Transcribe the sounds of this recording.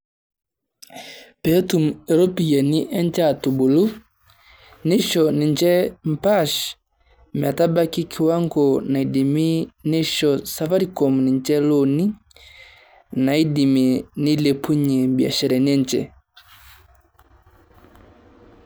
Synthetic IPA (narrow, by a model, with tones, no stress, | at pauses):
pɛ˨˦tu˨mɛ˨ɾɔ˦pi˨jɛ˨ni˦ʔɛ˦nd͡ʒa˦˨tu˨bu˨lu˦ | ni˦ʃɔ˨ni˨nd͡ʒɛ˦m̩˨pa˦˨ʃ | m˨a˨ta˦ba˦ki˦kʰi˨wa˦ŋɡɔ˨na˨i˨di˨mi˦ni˦ʃɔ˨sa˨˦va˦ɾi˨kɔ˨m˨ni˨nd͡ʒɛ˦lo˦˨ni˦ | na˨i˦di˨mi˨ni˦le˨pʰu˦ɲe˨bi˨a̰˨ʃɛ˨ɾɛ˨ni˦ɛ˦ɲd͡ʒɛ̰˨